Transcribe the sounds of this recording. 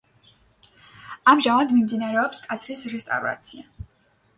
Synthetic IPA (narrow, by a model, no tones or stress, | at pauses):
amʒamad̪mimd̪inaɾɛɔpskʼat̪sʰɾisɾɛst̪ʼa̰vɾa̰t̪sʰia